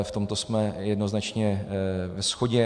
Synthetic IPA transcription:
ft̪omt̪o̞smɛjɛdnoznat͡ʃɲɛvɛsxo̞ɟɛ

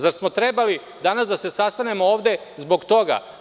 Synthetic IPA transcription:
zaɾsmo̞t̪ɾebali | d̪anasd̪ase̞sast̪ane̞mooːʋd̪e̞zbo̞ɡt̪o̞ɡa̰

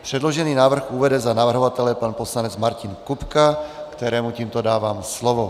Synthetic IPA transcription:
pr̥ɛd̪lɔʒɛniːnaːʋr̩ɣuːʋɛd̪ɛzanaʋr̩ɦɔʋat̪ɛlɛpaːnpɔslaɲɛd͡zmaɾcinkupkakt̪ɛɾɛːmuciːmt̪ɔd̪aːʋaːmslɔʋɔ

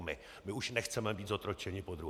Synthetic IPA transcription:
mɪ | mɪuʃnɛxt͡sɛmɛbiːt̪zot̪ɾot͡ʃɛɲɪpod̪ɾu

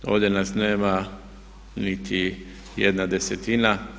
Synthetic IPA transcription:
o̰ːʋd̪jenasneːma | nit̪ʰi | jed̪nad̪eset̪ina

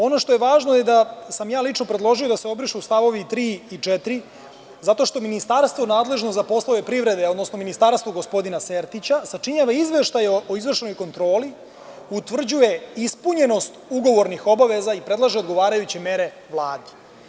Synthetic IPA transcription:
o̞no̞ʃt̪o̞je̞ʋaːʒnoje̞d̪asamjaːlit͡ʂno̞pɾed̪lˠo̞ʒio̞d̪aseo̞bɾiʃuust̪aʋo̞ʋit̪ɾiːit͡ʃɛt̪iɾi | zat̪o̞ʃt̪o̞minist̪aɾst̪ʋo̞naːd̪le̞ʒnozapo̞sloʋe̞pɾiʋɾe̞d̪eo̞d̪no̞sno̞minist̪aɾst̪ʋoɡo̞spo̞d̪inaseɾt̪it͡ɕasat͡ʂiɲaʋaizʋeʃt̪ajoizʋr̩ʃeno̞jko̞nt̪ɾo̞ːli | ut̪ʋr̩d͡ʑuje̞ispuɲe̞no̞st̪uɡo̞ʋo̞ɾnixo̞baʋe̞zaipɾe̞d̪lˠaʒeod̪ɡo̞ʋaːɾajut͡ɕeme̞ɾe̞ | ʋlˠaːd̪i

